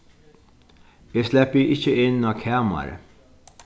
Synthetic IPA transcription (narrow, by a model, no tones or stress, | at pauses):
ɪslɛpːiʔɪt͡ʃːəɪnːɑːkʰɛːmɐ̰ɾ